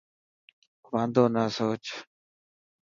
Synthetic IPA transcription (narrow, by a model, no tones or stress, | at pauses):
ʋãːnd̪ʱoːnaːsoːt͡ʃ